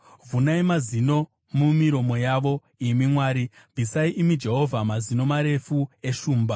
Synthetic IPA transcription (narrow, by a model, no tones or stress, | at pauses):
vunaimazino̞ | mumiɾo̞mo̞jaʋo̞ | imimwaːɾi | bʱisaiʔimid͡ʒe̞ɦo̞vʱamazino̞maɾe̞fue̞ʃuːmba